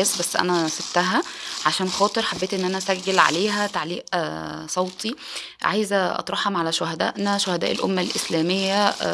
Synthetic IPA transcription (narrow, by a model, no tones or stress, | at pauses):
esbæsːʔæ̰næseb̚t̪æɦæʕaʃæːnxɑːt̪ˤeɾˤħabːeːt̪ʔenːʔænææsæɡːælʕa̰leːɦæt̪aʕliːʔsˤɑwt̪ˤi | ʕa̰jzæʔɑ̰t̪ˤɾˤɑħhɑmʕalæʃohæd̪æ̰ːʔnæʃohæd̪æ̰ʔelʔo̰mːælʔeslæːmejːæ